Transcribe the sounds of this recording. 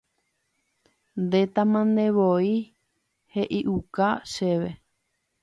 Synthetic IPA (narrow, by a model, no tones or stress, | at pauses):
nd̪et̪ãmãnd̪ẽβoi | heʔiʔukaʃeʋe